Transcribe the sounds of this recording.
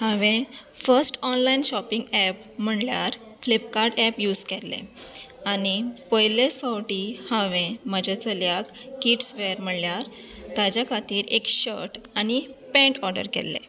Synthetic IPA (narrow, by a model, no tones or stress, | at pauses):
hãʋẽfəɾsʈɔnlainɕɔpiŋɡɛp | m̤əɳljaɾ | flipkaɾɖɛpjuːd͡zkɛlːḛanipɔjlesfawʈiːhãʋẽməd͡ʑʱat͡səljakkiːʈsʋeəɾm̤əɽljaɾ | t̪ad͡ʑjakʰat̪iːɾekɕəɾʈanipɛ̃ɳʈɔɾɖə̰ɾkɛ̰lːḛ